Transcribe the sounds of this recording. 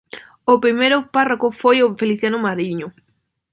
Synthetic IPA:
opɾimejɾʊparakʊfojofeliθjanʊmaɾiɲʊ

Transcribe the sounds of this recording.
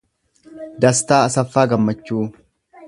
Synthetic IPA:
d̪ɐst̪aːɐsɐfːaːɡɐmːɐt͡ʃːuː

